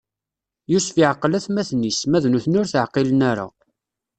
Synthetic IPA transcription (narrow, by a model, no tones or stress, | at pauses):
jusfiʕəqːəlæθmæθnismæðnuθnʊɾθəʕqilənæɾa̰